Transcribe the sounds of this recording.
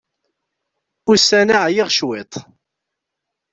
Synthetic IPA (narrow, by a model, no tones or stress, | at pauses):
ʊsænaʕjɪʁʃwɪt̪ˤ